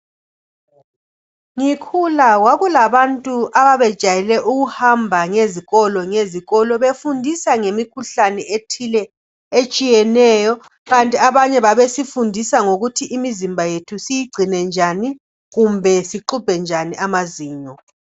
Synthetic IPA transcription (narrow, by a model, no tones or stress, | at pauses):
ŋikʰulawaɣulaβantʼuʔaβaβɛd̥ʒ̥ʱajɛlɛʔuɣuhambʱaŋeziɣɔlɔŋeziɣɔlɔβefundʱisaŋemikʰuɬanɛʔetʰilɛ | et͡ʃʼijɛnɛjɔ | ɣantʼiaβaɲɛβaβesifundʱisaŋoɣutʰiʔimizimbʱajetʰusijiɡ͡ǀʱinɛnd͡ʒʱani | ɣumbʱɛsiǃub̥ʱɛnd͡ʒʱaniʔamaziːɲɔ